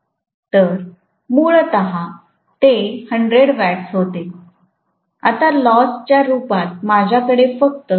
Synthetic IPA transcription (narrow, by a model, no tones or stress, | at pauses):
t̪əɾ | muɭət̪əɦa | t̪ehəɳɖɾeɽʋæʈsɦot̪e | at̪alɔst͡ɕjaɾupat̪̚mad͡ʑʱjakəɽefək̚t̪ə